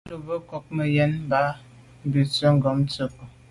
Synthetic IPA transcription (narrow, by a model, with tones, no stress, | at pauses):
lu˨bə˦kɔ˦k̚mə˨jɛ˦n˦ba˦˨ | bi˨t͡sə˦ŋ̩˦ɡɔ˨˦mt͡sə˦˨p